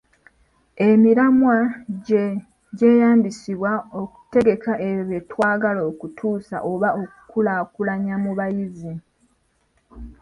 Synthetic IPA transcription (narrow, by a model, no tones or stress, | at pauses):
e̞miɾamwaɟe | ɟe̞ːjaːmbisiβwao̞ku̥te̞ɡe̞kaʔeβetwaːɡaloːkutʰuːsa̰ʔo̞βaoku̥kulakulaɲamuβajizi